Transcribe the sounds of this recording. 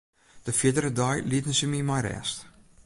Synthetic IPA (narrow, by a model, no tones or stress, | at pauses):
d̥əfiədəɾədɔjlitənsəmimajɾɛ̰st